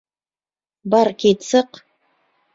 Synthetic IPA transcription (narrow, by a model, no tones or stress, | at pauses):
bɑɾkʲet̪səq